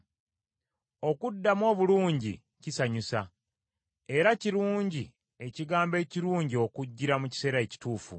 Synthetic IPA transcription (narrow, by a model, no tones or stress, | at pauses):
o̞kudːamo̞ːβuluːɲɟḭ | cisaɲusa | e̞ɾaciɾuːɲɟi | e̞ciɡaːmbe̞ːciɾuːɲɟio̞kuɟːiɾamuci̥se̞ːɾae̞ci̥tuːfṵ